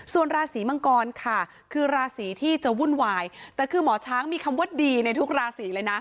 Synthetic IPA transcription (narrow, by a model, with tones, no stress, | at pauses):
su˨˩ənɾaː˧siː˩˦ma˧ŋkɔː˧nkʰa˥˩ | kʰɯː˧ɾaː˧siː˩˦t̪ʰiː˥˩t͡ɕa˨˩wu˥˩nwaː˧jt̪ɛː˨˩kʰɯː˧mɔː˨˩˦t͡ɕʰaː˦˥ŋmiː˧kʰa˧mwu˦˥˩t̪̚diː˧na˧jt̪ʰu˦˥k̚ɾaː˧siː˩˦lɤː˧jna˦˥